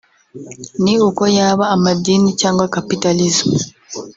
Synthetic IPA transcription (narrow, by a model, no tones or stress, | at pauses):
niukojaβaːmadiːnicaːŋɡwakapitalizmu